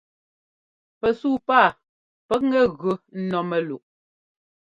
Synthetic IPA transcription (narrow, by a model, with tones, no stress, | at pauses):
pɛ˨suː˦˨paː˦˨ | pɛ˦k̚ŋɛ˦˨ɣo˨n̩˦nɔ˨mɛ˨lu˨ʔ